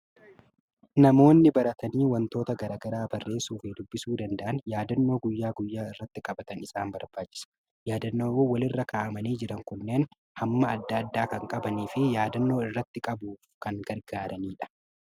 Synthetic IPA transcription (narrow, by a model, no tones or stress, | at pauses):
nɐmo̞ːnːɪbɐɾɐt̪ɐniːwɐnt̪o̞ːt̪ɐɡɐɾaːɡɐɾaːbɐrːe̞ːsuːfeːd̪ʊbːɪsuːd̪ɐnd̪ɐʔɐnjaːd̪ɐnːo̞ːɡʊjːaːɡʊjːaːɪrːɐt̪ːɪkʼɐbɐt̪ɐnɪsaːmbɐɾbaːt͡ʃːɪ̥sɐ̥ | jaːd̪ɐnːoːoːwɐlɪrːɐkaːʔɐmɐniːd͡ʒɪɾɐŋkʊnːeːn | hɐmːɐːd̪ːɐɐd̪ːaːkɐŋkʼɐbɐniːfɪjaːd̪ɐnːo̞ːɪrːɐt̪ːɪkʼɐbuːfkɐŋɡɐɾɡaːɾʔɐniːᶑɐ̥